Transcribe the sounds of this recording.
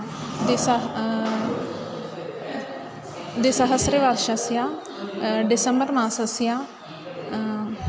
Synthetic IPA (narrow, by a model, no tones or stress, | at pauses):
d̪es | d̪eːsəɦəsɾeːʋaːɾʃəsjaː | ɖɪsəmbəɾmãːsəsɪjaː